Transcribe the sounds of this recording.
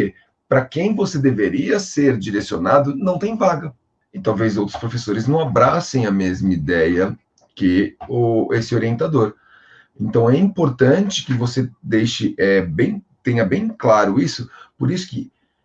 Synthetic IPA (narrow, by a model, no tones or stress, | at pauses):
e | pɾɐkẽj̃vosed̪eveɾiɐseɾd͡ʒiɾesionad̪ʊnɐ̃w̃t̪ẽj̃vaɡɐ | ɪt̪awvejzowt̪ɾʊ̥spɾofesoɾɪznɐ̃w̃abɾasẽj̃ɐmezmɐid̪ɛjɐ | kɪʊesɪoɾiẽnt̪ad̪oɾ | ẽnt̪ɐ̃w̃ɛĩmpoɾt̪ɐ̃t͡ʃɪ̥kɪvosed̪ejʃɪʔɛbẽj̃t̪ẽj̃ɐbẽj̃klaɾʊisʊpoɾisʊ̥kɪ